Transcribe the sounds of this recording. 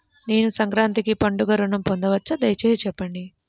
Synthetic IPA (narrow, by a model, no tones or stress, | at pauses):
ne̞ːnusɐŋkɾaːnt̪ikipɐɳɖuɡɐɾunɐmpond̪ɐʋɐt͡ʃːɐd̪ɐjt͡ʃeːt͡ʃɛpːɐɳɖi